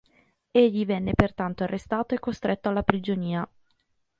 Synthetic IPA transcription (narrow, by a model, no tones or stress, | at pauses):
eʎːivɛnːepert̪ant̪oarːest̪aːt̪oekːost̪ɾet̪ːoalːapɾid͡ʒoniːa